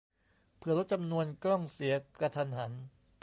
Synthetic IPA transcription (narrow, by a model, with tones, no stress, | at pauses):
pʰɯ˧˩ɐlo˦˥t̪̚t͡ɕa˧mnu˧ənklɔ˥˩ŋsi˩˦ɐka˧t̪ʰa˧nɦa˩˦n